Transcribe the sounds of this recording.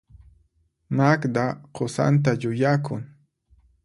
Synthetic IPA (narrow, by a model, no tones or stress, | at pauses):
makd̪aqʰosa̰nt̪aʎʊjakʊŋ